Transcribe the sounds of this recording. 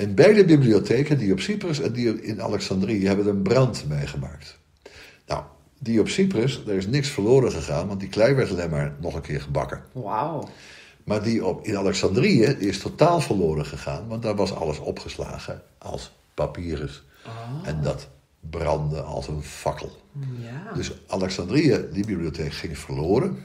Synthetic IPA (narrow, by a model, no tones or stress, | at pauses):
ɪnbɛjdəbibliotekədiɔpsiprəsɛndiɪna̰lɛksɑndriəɦɛbədəɹənbrɑntmejχəma̰ːkt | na̰w | diɔpsiprəsdaɹɪs̬nɪksfəlʊːɾəχəχaːnʋɑntdiklɛjʋɛɹtɑlejmaːɹnɔχənkʰɪːɹχəbɑ̰kə | maːɹdiɔɪnalɛksɑndriədiɪstʰotaːlˠfəɹlʊːɾəχəχa̰ːnʋɑntdaʋɑsɑ̰ləsɔ̰pχəsla̰ːɣəʔɑ̰lˠs | papiːrəs | ɛndɑt | brɑ̰ndəɑ̰lˠsənfɑkʰə̰lˠ | døsʔalɛksɑndriədibibliotʰeːkχɪŋfəɹloːɾən